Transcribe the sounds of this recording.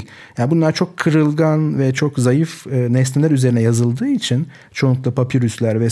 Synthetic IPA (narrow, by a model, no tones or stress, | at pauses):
janbunlˠaɾt͡ʃʰo̞kʰːɯɾɯlˠɡanvɛt͡ʃʰo̞kzajɯfɯːnɛst̪ʰilʲæɾyzeɾinɛjazɯlˠd̪ɯːit͡ʃʰin | t͡ʃʰo̞nukt̪ˠapʰapʰiɾyslʲæɾvɛ